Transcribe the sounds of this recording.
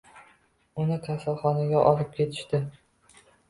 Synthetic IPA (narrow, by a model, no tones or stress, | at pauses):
ʊnɪkʲʰasalˠχɒnaɡʲaʔɒlɪp̚kʲe̞t̪ʰɪ̥ʃt̪ɪ